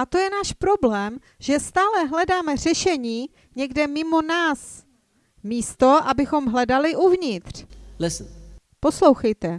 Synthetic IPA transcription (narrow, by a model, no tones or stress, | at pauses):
ʔat̪o̞jɛnaːʃpɾo̞blɛːm | ʒɛst̪aːlɛɦlɛdaːmɛr̝ɛʃɛɲiː | ɲɛɡdɛmɪmo̞naːs | miːst̪o̞ʔabɪxo̞mɦlɛdalɪʔuvɲɪt̪r̝̥lɪsn | poslo̞wxɛjt̪ɛ